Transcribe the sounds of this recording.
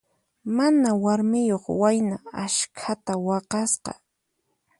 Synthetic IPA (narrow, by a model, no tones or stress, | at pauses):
manawaɾmɪjoχwajnaaʃkʰat̪awɑqɑsqɑ̰